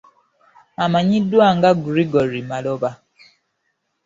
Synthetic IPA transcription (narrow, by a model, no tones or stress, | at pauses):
amaɲĩduaŋɡaɡuɾiɡɔɾimalɔba